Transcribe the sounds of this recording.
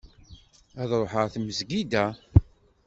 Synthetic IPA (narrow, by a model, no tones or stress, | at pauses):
æðɾˤoħəʁθməzɡid̪æ